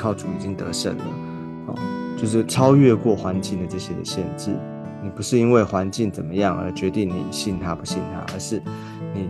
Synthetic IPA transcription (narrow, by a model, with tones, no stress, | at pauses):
kʰɑ˥˩ʊt͡su˨˩i˨˩t͡ɕi˦˥ŋt̪ɤ̰˧˥ʂə̰˨˩nlə̰˩˦ | ɔ̰˨˩t͡ɕjo˥˧ʊʂ̬ɻ̩˥˩ʈ͡ʂʰɑ˥ʊɥɛ˥˧kwɔ˥˩xwa˧˥nt͡ɕi˥˩ŋd̪ə˩ʈ͡ʂɤ˥˩ɕjɛ˥d̪ə̰˨ɕjɛ˥˧nʈ͡ʂɻ̩˥˩ | ni˨˩pu˧˥ʂɻ̩˥˩i˥nwe˥˩ɪxwa˧˥nt͡ɕi˥˩ŋt͡sə˨˩nmə˦jɑ˥˩ŋə̰˞˧˥t͡ɕɥɛ˧˥t̪i˥˩ŋnḭ˨˩ɕi˥˩nt̪ʰa˦pu˧˥ɕi˥˩nt̪ʰa̰˦ʔə̰˞˧˥ʂɻ̩˥˩ | ni˨˩